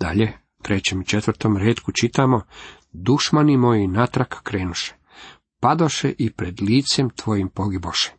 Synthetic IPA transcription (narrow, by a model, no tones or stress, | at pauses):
d̪̥a̰ʎe | t̪ɾet͡ɕemit͡ʃet̪ʋɾt̪omɾeːt̪kut͡ʃit̪amo̞ | d̪uʃmanimojinat̪ɾakːɾe̞ːnuʃe̥ | pad̪oʃeʔipɾed̪liːt̪semt̪ʋo̞jimpo̞ɡiboʃe̥